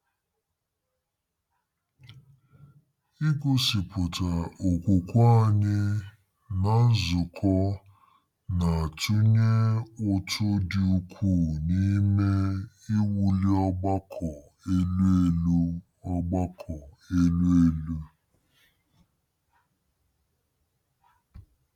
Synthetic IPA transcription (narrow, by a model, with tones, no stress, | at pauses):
i˦ku˦si˨pʊ˨ta˨o˨kʷu˨kʷa˦˨ɲɪ˦ | na˨n̩˦zʊ˨kʰɔ˦ | na˨a˨tu˦ɲe˦ʊ˨tʰʊ˦dɪ˨u˦kʷʰu˦˨ni˦me˦ | ɪ˦wu˨li˦ɔ˦ɡ͡ba˦kʰɔ˨ | e˦le˦lu˦ | ɔ˦ɡ͡ba˦kʰɔ˨ | e˦lu˦e˦lu˦